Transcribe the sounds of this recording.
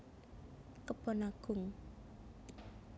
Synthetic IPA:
kəb̥ɔnaɡ̥ʊŋ

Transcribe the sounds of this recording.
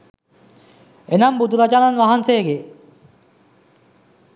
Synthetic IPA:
enambud̪uɾad͡ʒananʋaɦanseɡe

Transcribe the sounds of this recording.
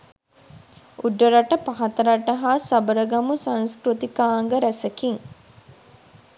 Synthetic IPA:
uɖːəɾaʈəpaɦat̪əɾaʈɐɦaːsabəɾəɡamusãnskɾut̪ikaːŋɡəɾæsɐkiŋ

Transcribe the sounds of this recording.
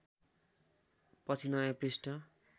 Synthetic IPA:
pʌt͡sʰinʌjaprisʈʌ

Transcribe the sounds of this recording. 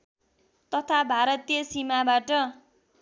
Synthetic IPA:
t̪ʌt̪ʰabʱaɾʌt̪ijʌsimabaʈʌ

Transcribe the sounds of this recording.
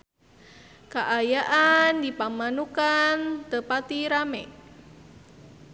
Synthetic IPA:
kaʔajaʔandipamanukant̪əpat̪iɾamɛ

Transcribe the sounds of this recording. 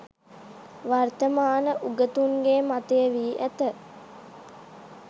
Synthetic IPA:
ʋart̪əmaːnəʔuɡət̪uŋɡeːmat̪əjəʋiːʔæt̪ə

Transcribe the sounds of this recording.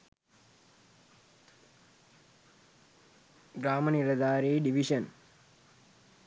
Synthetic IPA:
ɡɾaːmɐnilɐd̪aːɾeɖiʋiʂɐn

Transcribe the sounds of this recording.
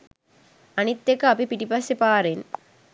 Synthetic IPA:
ɐnit̪ːekːaːpipiʈipɐsepaːɾen

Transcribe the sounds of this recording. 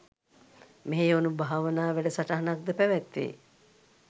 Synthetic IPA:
meɦeonubʱaɦaʋənaːʋæɖəsaʈaɦanak̚d̪əpæʋæt̪ʋḛː

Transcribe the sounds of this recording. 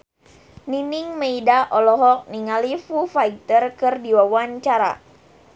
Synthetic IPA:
niniŋmeidaʔɔlɔɦɔk̚niŋalifufait̪ərkɨrdiwawaɲt͡ʃaɾa̰

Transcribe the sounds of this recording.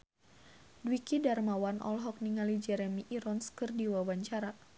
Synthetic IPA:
dwikidarmawanʔɔ̰lɦɔk̚niŋalid͡ʒɛɾɛmiʔiɾɔnskɨrdiwawaɲt͡ʃaɾa

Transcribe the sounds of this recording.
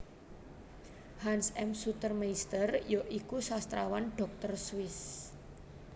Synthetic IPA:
hansɛmsut̪ərmaist̪ərjoʔikusast̪ɾawanɖ̥ɔ̤k̚t̪ərswɪs

